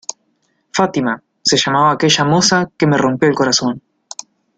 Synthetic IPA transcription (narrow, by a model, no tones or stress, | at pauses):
fat̪ima | seʃamaβaːke̞ʒamosake̞me̞ro̞mpjo̞elko̞ɾaso̞n